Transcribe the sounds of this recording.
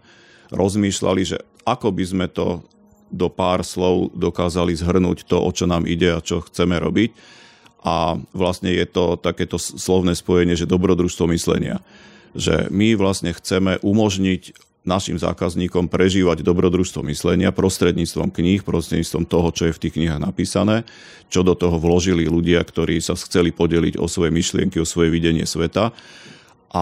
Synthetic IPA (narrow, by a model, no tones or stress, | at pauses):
ɾɔzmiːʃla̰liʒɛ̰ | ʔakɔbizmɛt̪ɔ̰ | d̪ɔpaːɾslɔʊd̪ɔkaːzalizɦr̩nṵːct̪ɔʔɔt͡ʃɔnaːmḭɟɛat͡ʃɔxt͡sɛmɛɾɔ̰bic | ʔaʋlastɲɛjɛt̪ɔt̪akɛːt̪ɔslɔʊnɛːspɔjɛɲɪɛʒɛd̪ɔbɾɔd̪ɾuːʃst̪ʋɔmislɛ̰ɲɪa̰ | ʒɛ̰miʋlasɲɛxt͡sɛmɛʔumɔʒɲiɟ | naʃḭmza̰ːkazɲiːkɔmpɾɛʒiːʋaɟd̪ɔbɾɔd̪ɾuʃst̪ʋɔ̰mislɛɲɪapɾɔst̪ɾɛd̪ɲiːt͡st̪ʋɔ̰mkɲixpɾɔst̪ɾɛɟdɲiːt͡sst̪ʋɔmt̪ɔɦɔt͡ʃɔjɛft̪iːxkɲiɦaɣnapiːsanɛː | t͡ʃɔd̪ɔt̪ɔɦɔʋlɔʒililuɟɪakt̪ɔɾiːsaxt͡sɛlipɔɟɛlḭɟɔ̰sʋɔjɛmiʃlɪɛŋkiɔsʋɔjɛʋiɟɛɲɪɛ̰sʋɛt̪a | ʔa